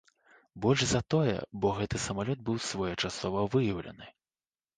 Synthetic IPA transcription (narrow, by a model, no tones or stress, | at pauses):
bɔlʲʐzɐt̪ɔjɛ̰bɔɣɛt̪ɨsɐmalʲɔd̪̚bɨwsvɔjɛt͡ʂasɔvɐvɨjɐwlʲɐ̰nɨ